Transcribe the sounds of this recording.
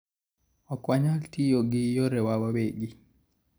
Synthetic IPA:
ɔkwaɲaltijoɡijɔɾɛwawaweɡi

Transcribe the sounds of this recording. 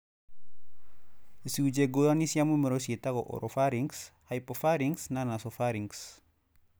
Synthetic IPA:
siud͡ʒeɡoanisjamumeɾosit̪aɡoʔo̰ɾʔofaɾiŋshajpofaɾiŋsnanasofaɾiŋs

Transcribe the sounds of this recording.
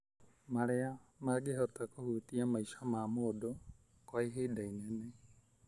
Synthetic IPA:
maɾeamaɡeɦɔtakohutiamaiʃamamoːdo | kwaeɦedainɛnɛ

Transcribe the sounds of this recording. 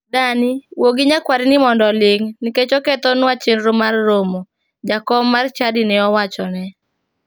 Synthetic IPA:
daniwoɡɪɲakwaɾɪnɪmɔndɔleŋnɪket͡ʃɔkɛt̪ɔnwat͡ʃenɾomarːomo | d͡ʒakɔmːart͡ʃadinɛɔwat͡ʃɔnɛ

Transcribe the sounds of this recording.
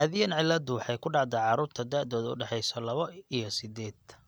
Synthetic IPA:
aːðɪjɐnʕɪlːɐd̪ʊwɑħɑjkʰʊɖɑʕd̪ɛʕɑɾuːɾt̪ʰɐd̪aːʔd̪ɔːðʊ̰ɖɛħɛjsɔlɐβɔijɔsɪd̪ɛːd̪̥

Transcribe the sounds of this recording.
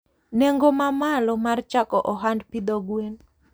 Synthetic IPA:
nɛŋɡomamalɔmart͡ʃakɔʔɔɦandpid̪ɔɡwen

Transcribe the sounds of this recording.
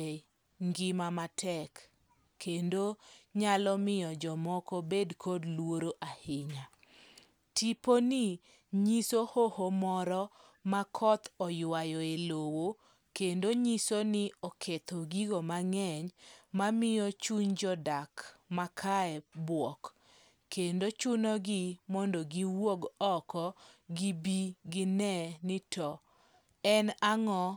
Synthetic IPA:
ŋɡɪmamatʰɛkːʰ | endoɲalɔmɪjɔd͡ʒɔmɔkɔbedkʰodlwoɾoʔahɪɲa | tiponɪ | ɲisohohomɔɾɔ | makʰɔt̪ɔjwajɔelowo | kendoɲisonɪɔkʰet̪oɡiɡomaŋɛɲmamɪjɔt͡ʃuɲd͡ʒɔdakmakʰaɛbwɔk | kendot͡ʃʊnɔɡɪmɔndɔɡiwoɡɔkɔɡibiɡɪnɛnɪtʰɔ | ɛnaŋɔ

